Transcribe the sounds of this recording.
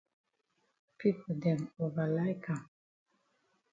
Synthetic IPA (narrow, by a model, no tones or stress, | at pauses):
pʰipʰodɛ̃movalaɪkʰãm